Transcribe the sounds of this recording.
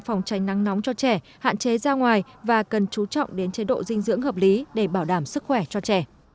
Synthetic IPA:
fɔ˨˩wŋ͡mt͡ɕa˨˦jŋna˨˦ŋnɔ˨˦wŋ͡mt͡ɕɔ˧t͡ɕɛ˧˩ | ha̰ː˧˨nt͡ɕe˨˦zaː˧ŋwaː˨˩jvaː˨˩kə˨˩nt͡ɕu˨˦t͡ɕɔ̰˧˨wŋ͡mɗe˨˦nt͡ɕe˨˦ɗo̰˧˨zï˧ŋ̟zɨ̰˧˥əŋhəː˨˩p̚li˨˦ɗe˧˩ɓaː˧˩wɗaː˧˩msɨ˦˥k̚xwɛ˧˩t͡ɕɔ˧t͡ɕɛ˧˩

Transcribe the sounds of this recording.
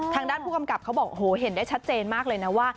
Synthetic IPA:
t̪ʰaː˧ŋdaː˥˩npʰuː˥˩ka˧mka˨˩p̚kʰa˦˥wbɔː˨˩k̚ʔo˧˩oː˩˦ɦe˨˩˦ndaː˥˩jt͡ɕʰa˦˥t̪̚t͡ɕeː˧nmaː˥˩k̚lɤː˧jna˦˥waː˥˩

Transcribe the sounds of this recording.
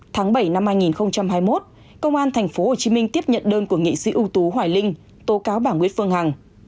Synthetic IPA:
t̪ʰaː˨˦ŋɓə˧˩jna˧mhaː˧jŋi˨˩nxə˧wŋ͡mt͡ɕa˧mhɦaː˧jmo˦˥t̚ | kə˧wŋ͡mʔaː˧nt̪ʰɛ˨˩ŋ̟fo˨˦ho˨˩t͡ɕi˨˦mï˧ŋ̟t̪i˦˥əp̚ɲə̰˧˨nɗəː˧nku˧˩əŋḭ˧˨sḭ˧˦ʔu˧t̪u˨˦ɦwaː˧˩jlï˧ŋ | t̪o˨˦kaː˨˦wɓaː˧˩nkwən̚fɨ˧əŋha˨˩ŋ

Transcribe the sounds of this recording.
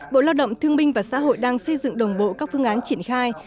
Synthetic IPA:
ɓo̰˧˨laː˧wɗə̰˧˨wŋ͡mt̪ʰɨ˧əŋmï˧ŋ̟vaː˨˩sa̰ː˧˥ɦo̰˧˨jɗaː˧ŋsə˧jzɨ̰˧˨ŋɗə˨˩wŋ͡mɓo̰˧˨kaː˦˥k̚fɨ˧əŋʔaː˨˦nt͡ɕi˧˩ənxaː˧j

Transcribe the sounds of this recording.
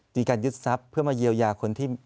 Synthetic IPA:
miː˧kaː˧nju˦˥t̪̚sa˦˥pʰːɯ˥˩əmaː˧ji˧əwjaː˧˩kʰo˧nt̪ʰiː˥˩

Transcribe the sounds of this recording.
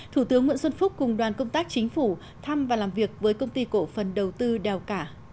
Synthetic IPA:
t̪ʰu˧˩t̪ɨ˨˦əŋwḭ˧˨ənswə˧nfʊ˦˥k͡p̚kʊ˨˩ŋ͡mɗwaː˨˩nkə˧wŋ͡mt̪aː˦˥k̚t͡ɕï˨˦ŋ̟fu˧˩ | t̪ʰa˧mvaː˨˩laː˨˩mvi˨˩ək̚vəː˨˦jkə˧wŋ͡mt̪i˧ko̰˧˩fə˨˩nɗə˨˩wt̪ɨ˧ɗɛ˨˩wkaː˧˩

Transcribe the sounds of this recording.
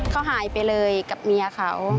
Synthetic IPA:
kʰa˧˩wɦaː˩˦jpa˧˨jlɤː˧jka˨˩p̚miː˧ʔa˧kʰa̰˧˩˦w

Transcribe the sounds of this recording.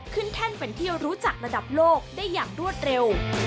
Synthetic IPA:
kʰɯ˥˩nt̪ʰɛ˥˩npe˧nt̪ʰiː˥˩əwɾuː˦˥t͡ɕa˨˩k̚ɾa˧da˨˩p̚loː˥˩k̚daː˥˩jːaː˨˩ŋɾu˥˩ət̪̚ɾe˧w

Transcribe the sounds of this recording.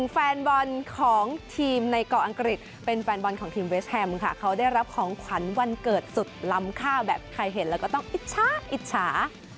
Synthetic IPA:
n˨˩ŋfɛː˧nbɔ˧nkʰɔː˩˦ŋt̪ʰiː˧mna˧jkɔː˧˩ʔa˧ŋkɾi˨˩t̪̚ | pe˧nfɛː˧nbɔ˧nkʰɔː˩˦ŋt̪ʰiː˧mwe˦˥s̚hɛ˧mkʰa̰˥˩kʰa˦˥wdaː˥˩jɾa˦˥p̚kʰɔː˩˦ŋkʰwa˩˦nwa˧nkɤː˨˩t̪̚su˨˩t̪̚la˦˥mkʰaː˥˩wbɛː˨˩p̚kʰɾa˧jɦe˩˦nlɛː˦wkɔː˥˩t̪ɔ˥˩ŋʔi˨˩t̪̚t͡ɕʰaː˦˥ʔi˨˩t̪̚t͡ɕʰaː˩˦

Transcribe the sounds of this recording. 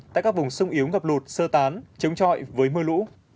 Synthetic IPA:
t̪a̰ː˧˨kaː˥k̚vʊ˨˩ŋ͡msʊ˧wŋ͡mʔi˨˦əwŋə˨˩p̚lu˨˩t̚səː˧t̪aː˨˦nt͡ɕə˨˦wŋ͡mt͡ɕɔ̰˧˨jvəː˨˦jmɨ˧əlṵ˧˥

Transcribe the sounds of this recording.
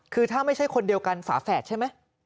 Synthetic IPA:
kʰɯː˧t̪ʰaː˥˩ma˥˩jt͡ɕʰa˥˩jkʰo˧ndi˧əwka˧nfa̰ː˩˦fɛː˨˩t̪̚t͡ɕʰa˥˩jma˦˥j

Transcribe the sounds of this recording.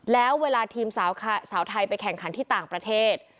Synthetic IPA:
lɛː˦˥wːeː˧laː˧t̪ʰiː˧msaː˩˦wkʰsaː˩˦˥wt̪ʰa˧jpa˧jkʰɛ˨˩ŋkʰa˩˦nt̪ʰiː˥˩t̪aː˨˩ŋpɾa˧t̪ʰeː˥˩t̪̚

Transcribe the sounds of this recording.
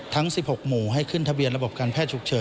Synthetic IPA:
t̪ʰa˦˥ŋsi˨˩p̚ho˨˩k̚muː˨˩ɦa˥˩jkʰɯ˥˩nt̪ʰa˧bi˧ənɾa˧bo˨˩p̚kaː˧npʰɛː˥˩t͡ɕʰu˨˩k̚t͡ɕʰɤː˩˦

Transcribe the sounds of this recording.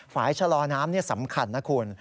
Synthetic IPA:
faː˩˦jt͡ɕʰa˧lɔː˧naː˦˥mni˥˩ɐsa˩˦mkʰa˧nːa˦˥kʰu˧ən

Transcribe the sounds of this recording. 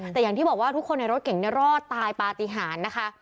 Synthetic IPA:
t̪ɛː˨˩jaː˨˩ŋʰiː˥˩bɔː˨˩waː˥˩u˦˥kʰːo˧nːa˧ɾo˦˥t̪̚ke˨˩˦ŋni˥˩ɐɾɔː˥˩t̪ːaː˧jpaː˨˩t̪i˨˩ɦaː˩˦nːa˦˥kʰa˦˥ʔ

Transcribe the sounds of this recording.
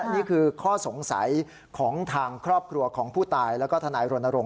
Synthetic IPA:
niː˥˩kʰɯː˧kʰɔː˥˩so˩˦ŋsa̰˩˦j | kʰɔː˩˦ŋt̪ʰaː˧ŋkʰɾɔː˥˩p̚kʰɾu˧ɐkʰɔː˩˦ŋpʰuː˥˩t̪aː˧jlɛː˦˥wkɔː˥˩t̪ʰa˧naː˧jɾo˧nːa˧ɾo˧ŋ

